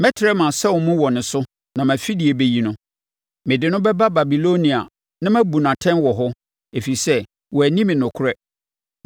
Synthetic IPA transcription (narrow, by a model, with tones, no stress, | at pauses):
mɛ̃˦tʰɪ˨ɾɛ˦mã˨sɛ˦wɔ˨mũ˦wɔ˨nʊ̃˨sʊ˦ | nã˨mæ̃˨fi˦di˨e˨be˦ji˦nʊ̃˦ | mɪ̃˨dɪ˨nʊ̃˦bɛ˦ba˦ba˨bi˨lo˦nĩ˨a̰˨ | nã˦mæ̃˦bu˨nã˨tʰɛ̃˦nwɔ˨ɦɔ˦ | e˨fi˨sɛ˦ | wɔ˨æ˨nĩ˦mɪ̃˨nʊ̃˨kʰʊ˦ɾɛ˦